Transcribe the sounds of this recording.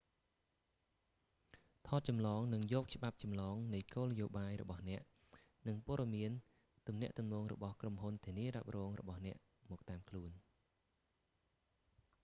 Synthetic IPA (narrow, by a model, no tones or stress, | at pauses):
t̪ʰɑːt̪̚t͡ɕɑmlɑːŋnɨŋjɔːk̚t͡ɕə̆ɓap̚t͡ɕɑmlɑːŋnɨjkoːlnəjoːɓaːjrɔ̰ɓɑhnɛ̆əʔ | nɨŋpŏəɗɑmiən | t̪umnɛ̆əʔt̪umnɔːŋrɔ̰ɓɑhkromɦunt̪ʰiəniəɾap̚rɔːŋrɔ̰ɓɑhnɛ̆əʔ | mɔːk̚t̪aːmkʰluən